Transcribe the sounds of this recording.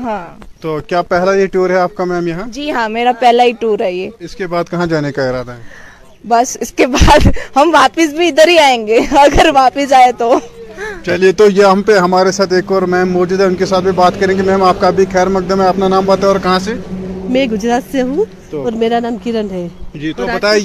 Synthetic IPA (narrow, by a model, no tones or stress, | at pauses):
ɦãː | t̪oːkjaːpɛɦlajeʈuːɾɦɛaːp̚kamɛːmjɐɦãːd͡ʒiːɦãːmeːɾapɛɦlaiʈuːɾɦɛjeːɪskebaːd̪̚kɐɦãd͡ʒaːnekaɪɾaːd̪aɦɛ | bɐsɪskebaːd̪hɐmʋaːpəs̬bʱiɪd̪əɾɦiaːẽːŋ̆ɡeːɐɡəɾʋaːpəsaːet̪o | t͡ʃɐliet̪ojeɦɐmpeɦɐmaːɾesaːt̪ʰeːkɔːɾmɛːmːɔːd͡ʒuːd̪ɦɛʊnkesaːt̪̚bʱibaːt̪kɐɾẽɡimɛ̃ːmaːp̚kabʱixɛːɾmɐk̚d̪əmɦɛ̃ɐpnanaːmbət̪ɔːɾkɐɦãsemɛ̃ɡʊd͡ʒɾaːt̪seɦũ | oɔːɾmeːɾanaːmkɪɾənɦɛːd͡ʒiːt̪obɐt̪aː